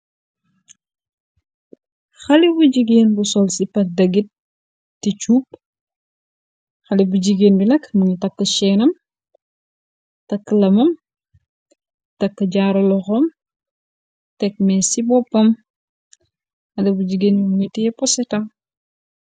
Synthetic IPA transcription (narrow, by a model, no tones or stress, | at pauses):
xɐlibuɟiɡeːnbusɔlsipɐdɐɡit̚ | tːit͡ʃuːp̚ | xɐlibuɟiɡeːnbunɛkmuŋitɐkːəʃɛnɐm | tɐkːəlɐmɐm | tɐkːəɟaɾɐlɔxɔm | tɛk̚mɛsibɔpːɐm | xɐdibuɟiɡeːnimuŋitijɛpɔsɛtɐm